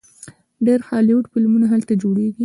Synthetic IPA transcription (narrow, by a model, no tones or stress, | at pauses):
ɖeɾxɑljoʈfɪlmunaɦalt̪ad͡ʒoɽeɡi